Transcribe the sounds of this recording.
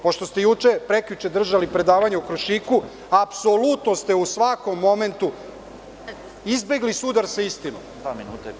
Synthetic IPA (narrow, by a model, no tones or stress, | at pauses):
po̞ʃt̪o̞st̪ejut͡ʂepɾekʎut͡ʃed̪r̩ʒalipɾe̞d̪aːʋaɲeukɾoʃiku | apso̞lut̪no̞st̪e̞usʋako̞mːo̞me̞nt̪u | izbe̞ɡlisud̪aɾsaist̪ino̰m | minuːt̪